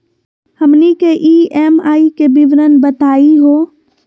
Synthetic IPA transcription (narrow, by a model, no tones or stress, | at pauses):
hɐmnikeʔiːʔeːmaːikebɪʋɾənbɐt̪aːiɦoː